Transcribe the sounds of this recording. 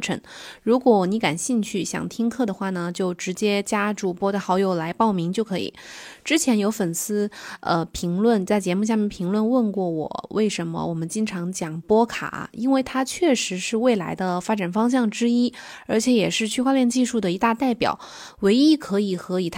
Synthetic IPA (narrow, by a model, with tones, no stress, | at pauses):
ʈ͡ʂʰə̰˧˥ŋɻu˧˥kwɔ˧˩ni˧˥ka˨˩nɕi˥˧ŋt͡ɕʰy˥˩ɕjɑ̰˨˩ŋt̪ʰi˥ŋkʰɤ˥˩d̪ə˩xwa˥˩nə˩t͡ɕjo˥˩ʊʈ͡ʂɻ̩˧˥t͡ɕjɛ˥t͡ɕja˥ʈ͡ʂu˥˩pwɔ˥d̪ə˩xɑ˧˥ʊjo˨˩ʊla˧˥ɪpɑ˥˩ʊmi˧˥ŋt͡ɕjo˥˩ʊkʰɤ˧˥ḭ˨˩˦ʈ͡ʂɻ̩˥t͡ɕʰjɛ˧˥njo˧˥ʊfə˨˩nsɹ̩˥ə̰˧pʰi˧˥ŋlwə˥˧nt͡sa˥˩ɪt͡ɕjɛ˧˥mu˥˩ɕ̬ja˥˧mjɛ˥˩npʰi˧˥ŋlwə˥˧nwə˥˧nkwɔ˥˩wɔ̰˨˩˦wʔe˥˩ɪʂə˧˥nmə̰˧wʔɔ˨˩mə˦nt͡ɕi˥ŋʈ͡ʂʰɑ˧˥ŋt͡ɕjɑ˨˩ŋpwɔ˥kʰa̰˨˩˦i˥nwe˥˩ɪt̪ʰa˥t͡ɕʰɥɛ˥˩ʂɻ̩˧˥ʂɻ̩˥˧we˥˩ɪla˧˥ɪd̪ə˧fa˥ʈ͡ʂa˨˩nfɑ˥ŋɕ̬jɑ˥˩ŋʈ͡ʂɻ̩˥i˥ | ə˞˧˥t͡ɕʰjɛ˧˥jɛ˨˩ʂɻ̩˥˧t͡ɕʰy˥˧xwa˥˧ljɛ˥˧nt͡ɕi˥˧ʂu˥˩d̪ə˩i˧˥t̪a˥˧t̪a˥˩ɪpjɑ̰˨˩˦ʊ | we˧˥ɪi˥kʰɤ˧˥i˨˩xɤ˧˥i˨˩t̪ʰ